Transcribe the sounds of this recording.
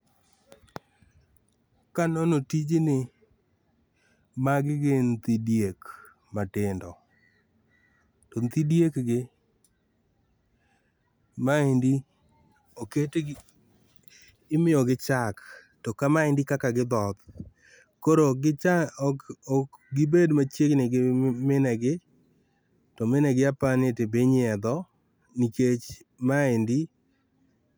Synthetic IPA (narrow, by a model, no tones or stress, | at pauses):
kanɔnotid͡ʒenɪ | maɡɪɡent̪idjek | matɪndɔ | tɔnt̪idjekɡɪ | maendi | oket | ɪmɪjɔɡɪt͡ʃak | tɔkamaɪndikakaɡɪd̪ɔt̪̚ | koɾoɡɪa | ɡɪbedmat͡ʃjeknɪɡɪmɪnɛɡɪ | tɔmɪnɛɡɪapanetebeɲɪɛd̪ɔ | niket͡ʃ | maendi